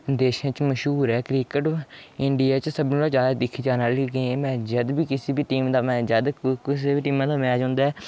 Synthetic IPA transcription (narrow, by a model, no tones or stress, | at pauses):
d̪eːʃãːt͡ʃməʃɦuːɾɛːkɾiːkəʈɪɳɖijaːt͡ʃsəbnũːlaːd͡ʒaːd̪aːd̪ɪkʰːiːd͡ʒaːnaːliːɡẽmɛ̃ːd͡ʒəd̪biːkɪsiːbiːʈiːmd̪aːmɛ̃ːd͡ʒəd̪kɪs̬eːbiːʈiːmãːd̪aːmɛ̃ːd͡ʒɔ̃ːnd̪aːɛː